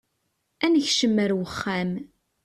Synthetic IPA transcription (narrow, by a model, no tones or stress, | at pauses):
ænəçʃəmːəɾwəχːæm